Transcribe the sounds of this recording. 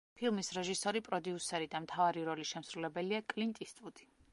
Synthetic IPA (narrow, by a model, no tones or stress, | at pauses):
pʰilˠmisɾɛʒisɔɾipʼɾɔd̪iusɛɾid̪amt̪ʰavaɾiɾɔliʃɛmsɾulɛbɛliakʼlint̪ʼist̪ʼud̪̥i̥